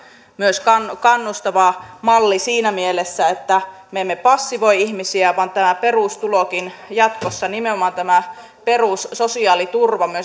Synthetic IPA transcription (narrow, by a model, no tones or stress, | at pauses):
myøskɑnkɑnːust̪ɑʋɑmɑlːisiːnæmielesːæet̪ːæmemːepɑsːiʋoiihmisiæʋɑnt̪æmæperuˑst̪ulokinjɑt̪kosːɑnimeomɑnt̪æmæ | peruˑssosiɑːlit̪urʋɑmyø